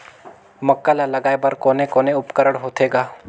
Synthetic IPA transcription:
mɐkːalalɐɡaːebɐɾkoːnẽkoːneʊpkəɾəɽɦoːt̪ʰeːɡaː

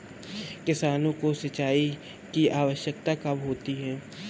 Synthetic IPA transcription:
kɪsaːnõkosɐt͡ʃaːi | kiaːʋəʃjək̚t̪akɐmɦoːt̪iɦɛ̃ː

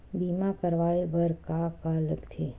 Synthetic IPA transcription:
bimãkəɾʋaebəɾkakaləɡt̪ʰe

